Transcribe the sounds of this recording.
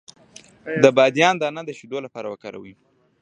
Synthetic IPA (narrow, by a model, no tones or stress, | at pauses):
d̪əbɑd̪jɑnd̪ənad̪əʃidolapɑɾawəkɑ̰ɾa̰wi